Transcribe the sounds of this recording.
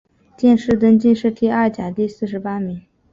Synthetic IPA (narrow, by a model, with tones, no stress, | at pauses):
t͡ɕjɛ˥˧nʂɻ̩˥˩t̪ə˥nt͡ɕi˥˧nʂɻ̩˥˩t̪ʰi˥˧a˥˩t͡ɕja˨˩t̪i˥˧sɹ̩˥˩ʂɻ̩˧˥pa˥mi˧˥ŋ